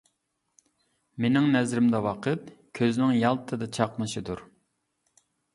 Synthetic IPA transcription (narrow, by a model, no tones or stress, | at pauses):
menɪŋnɛzɾɪmd̪ɛwɑqʰət̪̚kʲʰøznɪŋjɑlˠt̪ʰɨd̪ɑt͡ʃʰɑqmɨʃɨd̪uɾ